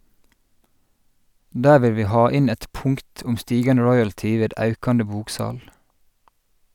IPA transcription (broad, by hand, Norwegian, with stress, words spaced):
ˈdæːɹ ˈʋɪl ˈʋiː ˈhɑː ˈɪn ˈæɪt ˈpʊŋkt ˈʊm ˈstiːɡɑnə ˈɹɔʏəltɪ ˈʋeːd ˈɑʉkɑnə ˈbuːkˌsɑːl